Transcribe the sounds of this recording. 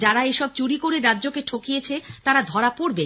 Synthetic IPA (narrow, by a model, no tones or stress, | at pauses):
d͡ʑaɾaeʃɔb̚t͡ɕuɽikoɾeɾadːʑokeʈʰokijet͡ɕʰet̪aɾad̪ʱɔɾapoɾbe